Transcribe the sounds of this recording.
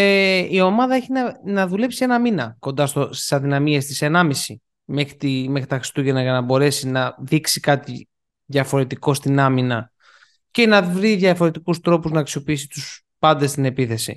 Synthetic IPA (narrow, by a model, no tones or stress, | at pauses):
eio̞mɐðɐe̞çinɐnɐðule̞psienɐminɐko̞nd̪ɐst̪ost̪i̥sɐðinɐmiest̪isenɐmisi | mexɾit̪ime̞xɾit̪ɐxɾi̥st̪uʝenɐʝɐnɐbo̞ɾe̞sinɐðiksikɐt̪i | ðjɐfo̞ɾe̞t̪iko̞st̪inɐminɐ | ce̞nɐvɾiðjɐfo̞ɾe̞t̪ikust̪ɾo̞puznɐːksio̞piisit̪us | pɐnd̪est̪ine̞piθe̞sḭ